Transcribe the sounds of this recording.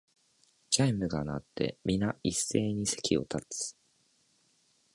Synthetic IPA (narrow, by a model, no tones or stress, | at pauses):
d͡ʑaimɯ̟ɡana̰t̪ːe̞̰mʲinaisːe̞ːɲ̟ise̞kʲio̞̰t̪ʰat͡sɨ̥